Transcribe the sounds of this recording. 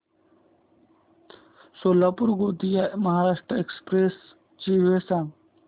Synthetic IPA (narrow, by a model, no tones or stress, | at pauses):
soːlaːpuɾɡoːt̪ijamɐɦaːɾaːʂʈɾəekspɾeːs | t͡ʃiʋesãː